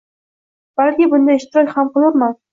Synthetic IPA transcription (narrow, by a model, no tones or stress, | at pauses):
b̥alkʲɪbʊnd̪aɪʃt̪ɪɾɒkʲhamqɨlˠaɾman